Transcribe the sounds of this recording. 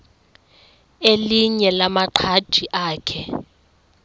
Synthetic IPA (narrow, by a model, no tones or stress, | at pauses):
eliɲɛlamaǃʰḁd̥ʱiʔaːkʰɛ